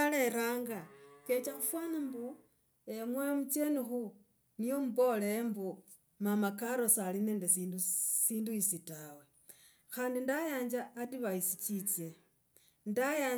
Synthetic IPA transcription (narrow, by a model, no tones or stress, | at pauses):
aleɾaŋɡake̞t͡ʃaxufwanimbu | emwemut͡sjenixu | nijo̞muβo̞lembu | mamakaɾo̞salineːndesindusiːnduisitawe | xaːndindajaːɲd͡ʒaːtiβaisit͡ʃit͡sje | ndaja